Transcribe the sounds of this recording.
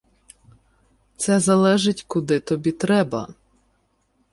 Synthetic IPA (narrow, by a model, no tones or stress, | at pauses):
t̪sɛzɐlˠɛʒɪtʲkʊd̪ɪt̪ɔbʲit̪ɾɛbɐ̰